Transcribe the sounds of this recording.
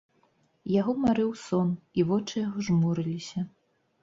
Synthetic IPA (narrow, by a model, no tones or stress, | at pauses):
jaɣɔmaɾɨwsɔnivɔt͡ʂɨjaɣɔʐmuɾɨlʲisʲɐ